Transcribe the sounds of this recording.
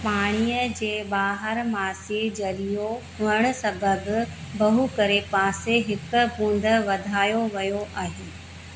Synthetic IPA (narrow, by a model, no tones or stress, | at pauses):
paːɽ̃iːəd͡ʑeːɓaːɦəɾmaːsid͡ʑɐlijoɦʊəɽ̃ʊ̆sɐbəbɪ̆ | bɐɦukɐɾepaːseɦɪkʊ̆bũːnd̪əʋɐd̪ʱaːjoʋɐjoʔaːɦeː